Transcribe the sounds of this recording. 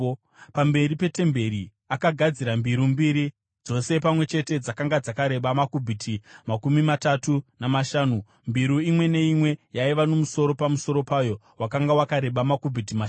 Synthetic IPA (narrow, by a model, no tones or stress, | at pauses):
pambe̞ɾipe̞te̞mbe̞ɾi | akaɡʱad͡ziɾambiɾumbiɾi | d͡zo̞se̞pamwe̞t͡ʃe̞te̞d͡zakaŋɡad͡zakaɾe̞ɓamakubʱitʰimakumimatatunamaʃaːnu | mbiɾuimwe̞ne̞imwe̞jaiʋano̞muso̞ɾo̞pamuso̞ɾo̞paːjo̞ | wakaŋɡawakaɾe̞ɓamakubʱitimaʃ